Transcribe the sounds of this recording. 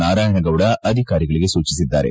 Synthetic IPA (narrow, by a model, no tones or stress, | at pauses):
aːɾaːjɐɳɐɡɐʋuɽɐʔɐd̪ʱikaːɾiɡɐɭiɡe̞suːt͡ʃisid̪ːa̰ːɾḛ